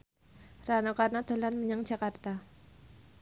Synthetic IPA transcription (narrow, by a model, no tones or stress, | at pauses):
ranokarnad̪̥o̤lanmiɲaŋd͡ʒakart̪a